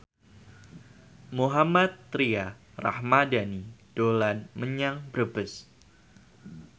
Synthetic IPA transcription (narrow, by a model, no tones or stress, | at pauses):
muɦamat̪ːɾia | ra̰hmadanid̥olanməɲaŋbɾbəs